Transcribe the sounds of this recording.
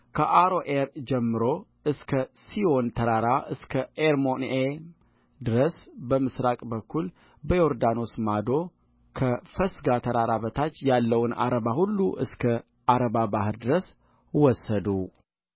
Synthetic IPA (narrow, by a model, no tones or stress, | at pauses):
kʰəʔaɾoʔeɾd͡ʒɛmːɨɾo̞ | ɨskʰəsio̞nt̪ʰəɾaɾaʔɨskʰəʔeɾmone | d̪ɨɾəsbəmɨsɾakʼbəkːul | bəjoɾd̪ano̞smad̪o̞ | kʰəfəsɡat̪ʰəɾaɾaβət̪ʰat͡ʃːjalːəwna̰ɾəβahulːuʔɨskʰə | ʔaɾəβabahɨɾd̪ɨɾəs | wɔsːəd̪u